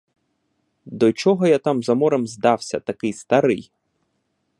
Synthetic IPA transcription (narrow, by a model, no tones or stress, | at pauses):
d̪ɔt͡ʃɔɦɔjat̪ɑmzɐmɔɾemzd̪ɑwsʲɐt̪ɐkɪjst̪ɐɾɪj